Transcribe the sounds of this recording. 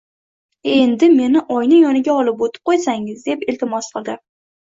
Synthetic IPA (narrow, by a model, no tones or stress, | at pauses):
e̞nd̪ɪme̞nɪʔɒjnɪjɒnɪɡʲaɒlɪpot̪ʰɪ̥p̚qʰojsaŋɪzd̪e̞pɪlt̪ʰɪmɒsqʰɨlˠd̪ɪ